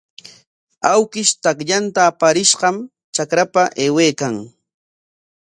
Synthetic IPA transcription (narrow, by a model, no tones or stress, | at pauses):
awkɪʃt̪akʎant̪aːpaɾɪʃɢɑm | t͡ʃakɾapaʔeːweːkaŋ